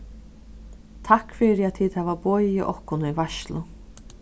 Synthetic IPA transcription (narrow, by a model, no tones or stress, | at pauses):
t̪ʰakfɪɾɪat̪ʰiːt̪hɛːʋabɔːjɪʔɔ̰hkʊnivaʃlʊ